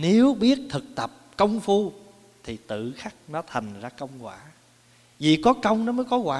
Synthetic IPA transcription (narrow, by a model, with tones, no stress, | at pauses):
ne˨˦wɓi˦˥ət̚t̪ʰɨ˨˩k̚t̪ə˨˩p̚kə˧wŋ͡mfu˧ | t̪ʰi˨˩t̪ɨ̰˧˨xa˦˥k̚nɔ˨˦t̪ʰa˨˩jŋ̟zaː˧kə˧wŋ͡mɣwa̰ː˧˩ | vḭ˨˩kɔ˨˦kə˧wŋ͡mnɔ˨˦məː˨˦jkɔ˨˦ɣwaː˨˧